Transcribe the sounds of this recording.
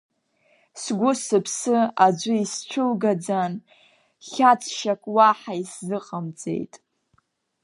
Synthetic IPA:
sɡʷʊsɨpʰsɨad͡ʒʷʊist͡ʃʷʰʊlɡad͡zan | χʲat͡sʰʼʃakʷʼwaħaiszɨqʼamt͡sʼḛjtʼ

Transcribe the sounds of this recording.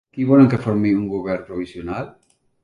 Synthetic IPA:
kiβoleŋkefoɾmiuŋɡoβɛɾpɾoβisjonal

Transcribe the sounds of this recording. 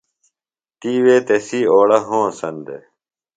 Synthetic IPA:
t̪iːweːt̪esiːoːɽɐɦõːsɐnd̪ḛ

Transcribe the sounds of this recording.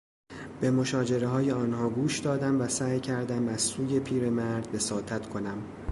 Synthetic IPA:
b̥e̞mo̞ʃɒːd͡ʒe̞ɾe̞ɦɒːje̞ɒːnhɒːɡuːʃd̪ɒːd̪æmvæsæːjcʰæɾd̪æmæz̥suːje̞pʰiːɾe̞mæɾd̪̚be̞sɒːt̪ʰæt̪ʰkʰo̞næm

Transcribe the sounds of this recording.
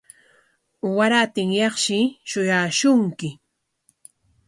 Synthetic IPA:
waɾat̪ɪŋjɑχʃɪʃʊjaːʃʊŋkɪ

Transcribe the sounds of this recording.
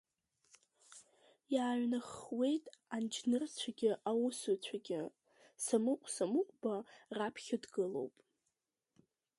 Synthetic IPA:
jaːɥnaχwe̞jtʼand͡ʒnɨrt͡sʷʰaɡʲɪʔawʊsut͡ɕʷʰaɡʲɪ | samɨqʷʼsamɨqʷʼbarapʰχʲadɡɨlo̞̰wpʼ

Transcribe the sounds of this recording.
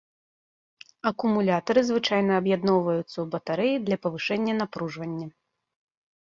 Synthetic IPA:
ɐkumulʲat̪ɐɾɨzvɨt͡ʂajnɐːbjad̪nɔwvɐjut̪sːɐubɐt̪aɾɛjid̪lʲɐpɐvɨʂɛnʲːɐnapɾuʐvɐnʲːɐ

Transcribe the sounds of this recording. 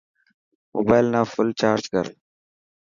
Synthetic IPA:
mobajlnafʊlt͡ʃaːɾd͡ʒɡə̰ɾ

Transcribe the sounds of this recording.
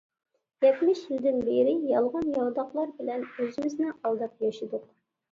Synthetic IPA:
jɛt̪mɪʃjild̪ɪnbeɾɪjɑlˠʁɑnjɑld̪ɑχlˠɑɾbɪlɛnøzɪmɪznɪʔɑlˠd̪ɑp̚jɑʃɨd̪ʊq̚

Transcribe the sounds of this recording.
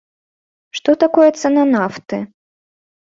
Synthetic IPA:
ʂt̪ɔt̪akɔjɛt̪sɛnɐnaft̪ɨ

